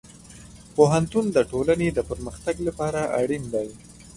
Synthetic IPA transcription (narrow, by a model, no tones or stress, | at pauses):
poɦant̪und̪əʈolaned̪əpəɾməxt̪aɡlapɑɾaʔaɽind̪aj